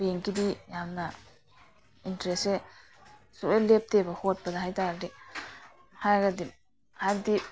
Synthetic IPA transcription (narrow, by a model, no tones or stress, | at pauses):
beŋkidijamnɐ | intɾese | suejlep̚tebɐhot̚pɐdɐɦajtaɡdi | hajɡɐdi | haɡdi